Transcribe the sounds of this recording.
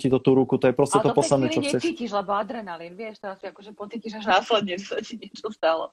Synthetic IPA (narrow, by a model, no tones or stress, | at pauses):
cit̪ɔt̪uːɾukut̪ɔjɛpɾɔscɛt̪ɔpɔad̪nɛlt͡ʃɔɲɛɛsiːciʒlɛbɔad̪ɾɛnalinʋɪɛʃt̪ɛɾasiakɔʒɛpɔt̪t͡s̪iciʒaʒnaslɛɲɛsatiɲɪɛt͡ʃɔst̪alɔ̰